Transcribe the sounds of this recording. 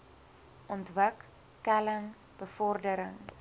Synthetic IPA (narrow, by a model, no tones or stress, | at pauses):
ʔɔntvəkː | æləŋ | b̥əfɔrdəɾəŋ